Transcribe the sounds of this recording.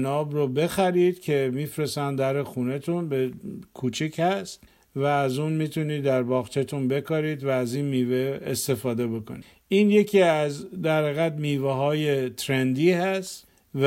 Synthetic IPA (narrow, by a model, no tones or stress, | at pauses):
nɒːbɾobe̞xæɾid̪̥cʰe̞miːfɾesænd̪æɾexunet̪ʰunbekʰuːt͡ʃʰichæst̪ | væːzunmiːt̪ʰuniːd̪æɾbɒːɣt͡ʃʰet̪ʰunbe̞kɒɾiːd̪væːziːnmiːveːst̪e̞fɒːd̪e̞bo̞kʰo̰ni | iːnje̞cʰiːæzd̪æɾheɣæd̪miːveɦɒːje̞t̪ʰɾend̪iːhæst̪ | v